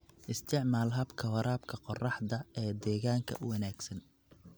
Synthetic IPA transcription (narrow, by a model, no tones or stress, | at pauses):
ʔɪst̪ʰɪʕmaːlɦɐbkʰɐwɐɾaːbkʰɐqɔrɑħd̪ɐɛːd̪ɛːɣaːŋkʰɐ̰ʔʊwɐnaːɡsɐn